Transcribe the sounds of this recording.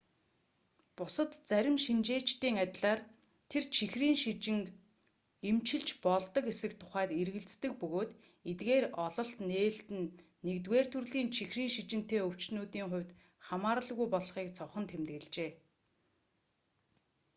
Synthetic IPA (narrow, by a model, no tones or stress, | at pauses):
pʊsə̆t̪t͡sæɾʲɪ̆mʃint͡ɕeːt͡ɕt̪iːŋat̪ʲɮaːr | t̪ʰert͡ɕʰixriːŋʃit͡ɕɪ̆ŋ | emt͡ɕɪ̆ɮt͡ɕpɔɮt̪ɞ̆kesɘ̆kt̪ʰʊ̥χæːt̪erɣɘ̆ɮt͡st̪ɘ̆k̚pɵɣoːt̪ | et̪ɡeːrɔɮɞ̆ɬt̪neːɬt̪ɘ̆nː | ekt̪weːr̥t̪ʰɵrɮiːnt͡ɕʰixriːŋʃit͡ɕɪ̆n̥t̪eːɵw̥t͡ɕnuːt̪iːŋχʊ̟wʲt̪ | χamaːɾə̆ɮɣujpɔɮχiːkt͡sʰɔχɞ̆nt̪ʰemt̪ɣɘ̆ɮt͡ɕeː